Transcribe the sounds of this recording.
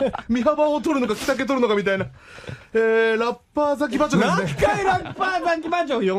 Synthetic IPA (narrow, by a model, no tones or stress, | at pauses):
miɦabaot̬ʰoɾɯnokaki̥sak̬͈et̬ʰoɾɯnokamit̬͈aina | eɾap͈ːasʰak̬ipat͡ɕd͡ʑokaiɾapazaɡibad͡ʑojo